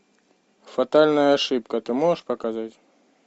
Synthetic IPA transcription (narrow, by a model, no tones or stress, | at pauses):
fat̪alʲnəjəːʂɨp̚kət̪ɨmoʐəʂpɐkazatʲ